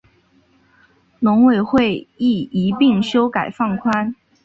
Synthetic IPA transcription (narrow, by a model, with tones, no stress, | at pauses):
lʊ˧˥ŋwe˨˩ɪxwe˥˧ɪi˥˩i˧˥pi˥˩ŋɕjo˥ʊka˨˩ɪfɑ˥˩ŋkʰwa˥n